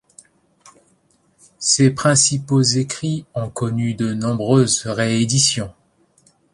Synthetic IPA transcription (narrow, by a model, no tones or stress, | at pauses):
sepχɛ̃sipozekχiɔ̃kɔnyd̪ənɔ̃bʁøzʁeed̪isjɔ̃